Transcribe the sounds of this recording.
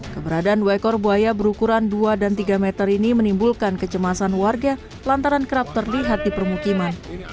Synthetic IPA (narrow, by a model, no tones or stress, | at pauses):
kəbəɾadaːnwakɔrbuajabəɾukuɾanduadant̪iɡamɛt̪əɾinimənimbulkankət͡ʃəmasanwarɡa | lant̪aɾankəɾap̚t̪ərliɦat̪̚dipərmukiman